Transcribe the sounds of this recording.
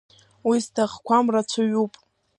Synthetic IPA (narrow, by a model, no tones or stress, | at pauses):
wiztʰaχkʷʰamrat͡sʷʰaɥupʼ